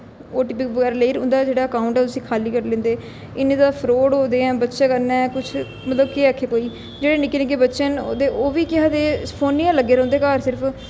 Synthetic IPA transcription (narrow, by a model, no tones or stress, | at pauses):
oːʈɪpɪkbəɡɛːɾaːləiːɾʊnd̪aːd͡ʒeːɽaːəkaːʊɳʈɛːt̪ʊsĩːkʰaːliːkəɾlẽːnd̪eː | ɪnẽːd̪aːpʰɾoːɽɦoːd̪eːɛ̃ːbətːʃãːkəɾnɛ̃ːkʊt͡ʃʰ | mət̪ləbkeːakʰːeːkoːiː | d͡ʒeːɽeːnɪkːenek̬eːbətːʃənod̪eːoːʋiːkɪɦaːd̪eːpʰoːnːiːãːləɡːeːɾɛ̃ːnd̪eːkaːɾsɪɾəpʰ